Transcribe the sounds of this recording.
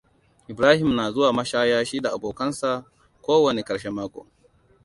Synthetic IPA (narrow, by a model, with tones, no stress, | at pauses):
ʔɪ˨bɾaː˦hɪ˨mnaː˨zʊ˦waː˨mɐ˦ʃaː˦jaː˦ʃiː˦da˨ʔa˨boː˨kɐ˦nsa˨ | kʷoː˦wɐ˨ne˨kɐ˨ɽʃe˦maː˦kʷo̰ː˨